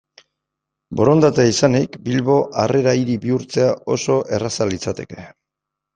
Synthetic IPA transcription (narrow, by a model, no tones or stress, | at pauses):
bo̞ɾo̞nd̪at̪eisanikbilβo̞ʔare̞ɾaiɾibiuɾt͡se̞aʔo̞so̞ʔe̞rasalit͡sat̪e̞ke̞̥